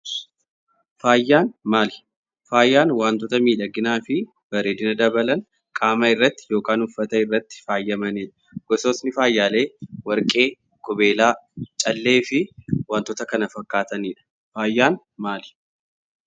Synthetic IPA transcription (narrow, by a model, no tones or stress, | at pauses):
faːjːaːnmaːlɪ | faːjːaːnwaːnt̪ɔt̪ɐmiːᶑɐɡɪnaːfɪ | bɐɾeːd̪ɪnɐd̪ɐbɐlɐn | kʼaːmɐɪrːɐt̪ːɪ̥jo̞ːkaːnʊfːɐt̪ɐɪrːɐt̪ːɪ̥faːjːɐmɐniːᶑɐ̥ | ɡ̥ɔsoːsnɪfaːjːaːle̞ːwɐɾkʼe̞ː | kʼʊbe̞ːlaːt͡ʃʼɐlːe̞ːfɪwaːnt̪ːɔt̪ɐkɐnɐfɐkːaːt̪ɐniːᶑɐ̥ | faːjːaːn | maːlɪ̥